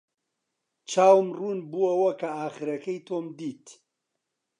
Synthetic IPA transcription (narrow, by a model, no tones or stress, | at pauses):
t͡ʃʰaːwmruːnbuɐwɐkɐaːχɨɾɐkɐjt̪ʰoːmd̪iːt̪